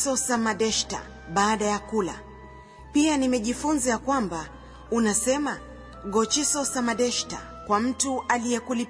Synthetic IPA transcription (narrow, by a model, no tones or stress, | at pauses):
sɔsamaɗɛʃta̰ | ɓaːɗajakula̰ | pianimɛʄifunzajakwamba | unasɛma | ɠɔt͡ʃisɔsamaɗɛʃta̰ | kwam̩tuʔalijɛkuli